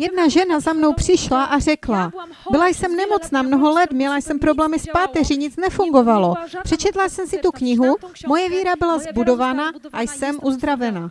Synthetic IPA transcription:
jɛdnaʒɛnazamno̞wpr̝̥ɪʃlaʔar̝ɛkla | bɪlajsɛmnɛmo̞t͡snaːmno̞ɦo̞lɛt̪mɲɛlajsɛmpɾo̞blɛːmɪspaːt̪ɛrɪɲɪt͡snɛfuŋɡo̞valo̞pr̥ɛt͡ʃɛt̪lasɛmsɪt̪ukɲɪɦumo̞jɛviːɾabɪlazbudo̞vaːnaʔajsɛmʔuzd̪ɾavɛna

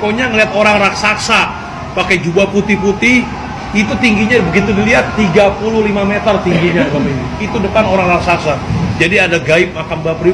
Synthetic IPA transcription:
koɲaŋəliɦat̪oɾaŋraksaksa | pakajd͡ʒubaput̪ɪhput̪ɪh | it̪ut̪iŋɡiɲabəɡit̪udiliɦat̪ːiɡapuluhlimamet̪ərt̪iŋɡiɲadubapainiit̪udəpanoɾaŋraksaksad͡ʒadiadaɡaɪp̚makanbapɾi

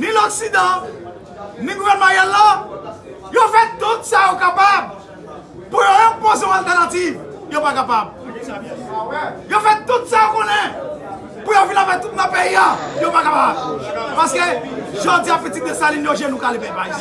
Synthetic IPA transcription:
nĩlɔksid̪ã | nĩɡuvɛʁnəmɑ̃jɛlːa | jofɛt̪ut̪sajokapab | pujoɔ̃pozjɔ̃alt̪ɛʁnativ | jopakapab̚ | jofɛt̪ut̪sajokɔ̃nɛ̃ | pujovilãvat̪ut̪̚nãpeiajopakapabpaskeʒod͡ziapitikesalinjoʒenũkalebɛ̃bai

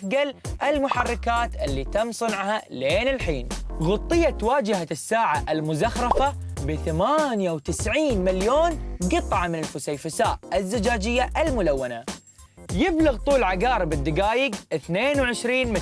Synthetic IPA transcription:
ɡalʔɪlmʊħɑrˤːɑkaːt̪ʔɪlːit̪amːsˤɨnʕhaleːnɪlħiːnɣʊt̪ˤːɨjːat̪waːd͡ʒɪhasːaːʕaʔɪlmʊzaxɾˤɑfabɪθamaːnjawt̪ɪsʕiːnmɪljoːnɡɨt̪ˤʕɑmɪnɪlfʊsajfasaːʔɪzːɪd͡ʒaːd͡ʒɪjːaʔɪlmʊlawːana | jɪblɪɣt̪ˤuːlʕaɡaːɾɪbɪd̪ːɪɡaːjɪɡʔɪθneːnwʕɪʃɾiːnm

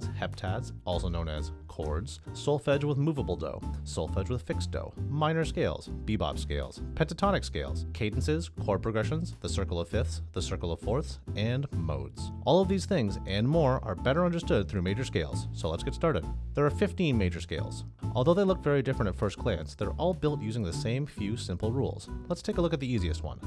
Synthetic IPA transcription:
z̥hɛp̚tʰædz̥ɔlˠsoʊnõʊ̃nɨ̰z̥kʰɔ̰ɹdz̥solˠfɛd͡ʒwəðmuvəbl̩ˠdo̰ʊsolˠfɛd͡ʒwəð̥fɪksd̥o̰ʊmãɪ̃nə˞skeɪlˠz̥b̥ibɑ̰b̥skeɪlˠz̥pʰɛ̃ntɨtʰɑnɨkskeɪlˠz̥kʰẽɪdⁿn̩sɪz̥kʰɔɹ̚pʰɹ̥ɨɡɹɛʃə̃nzðəsɜ˞kl̩ˠʌv̥fɪθsðəsɜ˞kl̩ˠʌv̥fɔɹθsɨ̃nmo̰ʊdz̥ʔɔlˠʌvðiz̥θɪ̃ŋzɨ̃nmɔɹə̰˞bɛɾə˞ʌ̃ndə˞stʊd̪̚θɹʉmeɪd͡ʒə˞skeɪlˠz̥soʊlətsɡ̥ɛtstɑɹɾɨ̰d̪̚ðə˞ːfɪftĩnmeɪd͡ʒə˞skeɪlˠz̥ | ʔɔlˠðoʊðeɪlʊk̚vɛɹidɪfɹɨ̃ntɨtfɜ˞skʰl̥æ̃nsðə˞ʔɔlˠbɪlˠtjʉzɪ̃ŋðɨsẽɪ̃ɱfjʉsɪ̃mpl̩ˠɹṵlˠz̥lətstʰeɪkəlʊkɨt̪̚ðiiziɨ̰st̚wʌ̰̃n

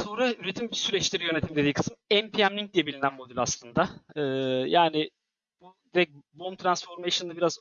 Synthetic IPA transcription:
so̞nɾayɾe̞t̪ʰimsyɾɛt͡ʃlʲiɾijø̞ne̞t̪ʰimd̪e̞d̪ikʰɯ̥sinɛmpʰiæmlʲiŋc̚d̪ijɛbilʲinænmo̞d̪ylʲaslˠɯnd̪aɯːjaːnɪ | b̥ud̪iɾɛc̚bo̞mt̪ʰɾansfo̞ɾmeʃɯnd̪abiɾaz

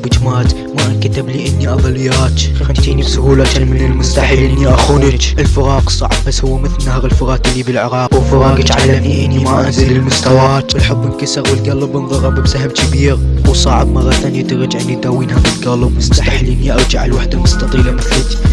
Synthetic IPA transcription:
bɪd͡ʒmaːt̪ | maʔnkat̪ɪbliːʔɪnːiʔɑðˤɑlːɪjːaːt̪xaxant̪iːnibsʊhuːlaalmɪnɪlmʊst̪aħlnːiʔaxuːnɪt͡ʃʔɪlfʊɾɑːqsˤɑʕbbasːhʊwːamɪθlnːahɣɪlfʊɾɑːt̪ɪlːibɪlʕɪɾɑːqwɪfʊɾˤɑːɡ̪ʕaniʔɪnːimaʔazilɪlmʊst̪awaːt̪ɪlħɑb̪ˤːɪnkasɪɣwɪlɡalɨbɪnðˤɑɾˤɑbbsaɦɪmkɪbiːɣwsˤɑʕɪbmɑrːɑt̪aːnjat̪ɪɾˤɑd͡ʒʕʔɪnːit̪aːwiːnhabɪlɡalbmʊst̪aaħlːʔɪnːiʔɑɾˤd͡ʒaʕa̰lwaħd̪amʊst̪ɑt̪ˤiːlamɪθlɪt

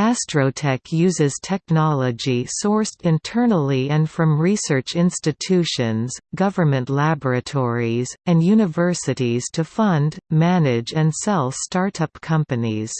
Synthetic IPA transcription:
æstɹ̥oʊtʰɛkʰjʉzɨz̥tʰɛk̚nɑlˠəd͡ʒisɔɹstɨ̃ntʰɜ˞nl̩ˠiɨ̃nfɹʌ̃mɹisɜ˞t͡ʃɪ̃nstɨtʰʉʃɨ̃nz̥ɡʌvə˞mɨ̃nʔlæbə˞ɨtʰɔɹizɨ̃njʉnɨvɜ˞sɨɾiz̥tʰɨfʌ̃ndmænɪd͡ʒɨ̃nsɛlˠstɑɹɾʌpkʰʌ̃mpɨniz̥

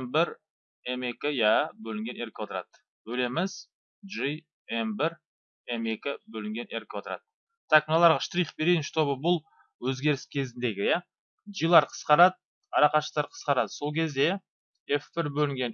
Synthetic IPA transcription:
mbɪɾ | eme̞kʲɪjæbɵlɪŋɡʲe̞ne̞ɾkʲewot̪əɾɑ̰d̪̥ | bɵle̞mɪz̥ | ʒi | embɪɾ | e̞me̞kʲɪbɵlɪŋɡʲe̞nʔeɾkʲewot̪əɾɑ̰d̪̥ə | t̪ʰaknolˠɑɾʁɑʃt̪ɾijχbeɾeɪnʃɪ̥t̪ʰo̞bəbʊlˠ | wɵzɡʲe̞ɾɪskʲʰe̞zɪnd̪e̞ɡʲɪjæ | ʒijlˠɑɾqʰə̥sqɑɾɑd̪̚ | ɑɾɑqɑʃət̪ɑɾqʰə̥sqɑɾɑd̪əso̞lˠkʲʰe̞zd̪e̞ | efbɪɾbɵlɪŋɡʲe̞n

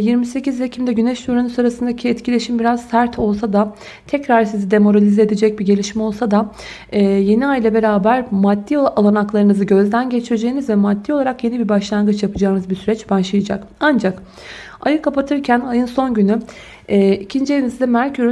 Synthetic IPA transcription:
jiɾmise̞cizvecʰimd̪ɛɟynɛʃt̪uɾanusaɾasɯnd̪acʰiɛt̪cʰilʲe̞ʃimbiɾaz̥sæɾt̪ʰo̞lˠs̬ad̪a | t̪ʰɛcɾaɾsizid̪e̞mo̞ɾalʲizɛed̪ed͡ʒɛc̚biɟe̞lʲiʃmɛo̞lˠsad̪a | ɛːje̞niajlʲˠabe̞ɾaːbæɾmad̪ːialˠanaklˠaɾɯnɯzɯɟø̞zd̪ænɟe̞t͡ʃʰiɾed͡ʒe̞jinizvɛmad̪ːiolˠaɾakje̞nibibaʃlˠaŋɡɯt͡ʃjapʰɯd͡ʒaːnɯzbisyɾɛt͡ʃbaʃlˠɯjad͡ʒa̰kand͡ʒak | ajɯkʰapat̪ʰɯɾcʰænajɯnso̞nɟyny | ɛːicʰind͡ʒeinizd̪ɛmæɾcʰyɾy

